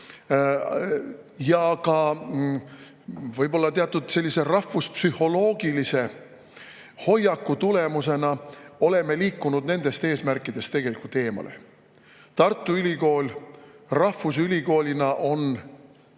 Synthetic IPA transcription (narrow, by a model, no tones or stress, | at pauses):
jɑkɑ | vɤjb̥o̞lːɑt̪eɑt̪ːud̪̥se̞lʲːise̞rɑfuspsyho̞lo̞ːɡ̥ilise̞ | ho̞jːɑkːˑut̪ule̞muse̞nɑo̞le̞me̞liːkˑːunud̪ne̞nd̪̥e̞st̪e̞ːsmærkːˑid̪̥e̞st̪eɡe̞likult̪ːˑe̞ːmɑ̰lʔe̞̰ | t̪ɑrt̪ːˑuylʲiko̞ːlʲrɑfusylʲiko̞ːlʲinɑʔo̞n